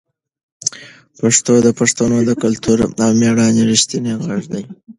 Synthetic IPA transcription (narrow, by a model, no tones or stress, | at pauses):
paʂt̪od̪əpaʂt̪anod̪əkalt̪uɾawmeɽɑneɾɪʃt̪ineɣaʐd̪aj